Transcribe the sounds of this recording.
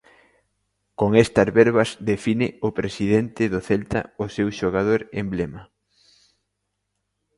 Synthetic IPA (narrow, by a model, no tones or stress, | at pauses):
koŋest̪ɐzβɛɾβɐzðefinɪʊpɾesiðent̪ɪðʊθelt̪ɐ̰ʊsewʃoɣað̞oɾemblemɐ